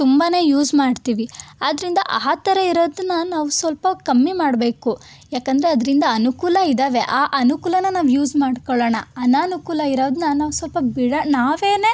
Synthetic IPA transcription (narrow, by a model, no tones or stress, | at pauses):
t̪umbaːne̞ːjuːzmaːɖt̪iːʋiaːd̪ɾind̪ɐʔaːt̪ɐɾɐiɾoːd̪nːaɐnaːʋusʋɐlpɐkɐmːimaːɖbe̞ːku | jaːkɐnd̪ɐɾeɐd̪ɐɾind̪ɐɐnukulɐid̪aːʋe̞ʔaːʔɐnukuːlɐnːɐnaːʋjuːzmaːɖkoɭɐːɳɐɐnɐːnukuːlɐiɾoːd̪nɐnaːʋusʋɐlpɐbiɽɐnaːʋe̞ːne̞ː